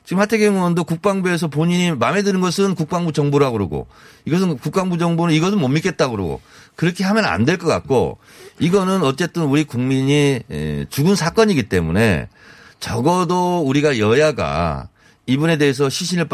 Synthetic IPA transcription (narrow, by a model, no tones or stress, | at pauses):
t͡ɕiɡɯmhʰatʰeɡjeŋʌndokuk̚p͈aŋbue̞s̬ʰʌpoɲiɲimame̞dɯɾɯnɡʌsʰɯnkuk̚p͈aŋbut͡ɕʌŋbuɾɯɦaɡɯɾoɡo̰ | iɡʌs̬ʰɯnkuk̚p͈aŋbud͡ʑʌŋbonɯniɡʌs̬ʰɯnmʌmːik͈e̞t̚t͈aɡɯɾo̰ɡo̰kɯɾʌkʰe̞hamjʌna̰ndwe̞ɭk͈ʌk͈a̰t̚k͈o̰ | iɡʌnɯnʌt͡ɕ͈e̞t͈ɯnuɾikuŋmiɲḭt͡ɕuɡɯnsʰak͈ʌɲiɡit͈e̞mṵne̞̰ | t͡ɕʌɡʌdouɾiɡajʌjaɡa̰ | ibune̞de̞ɦes̬ʰʌɕʰiɕʰinɯɭp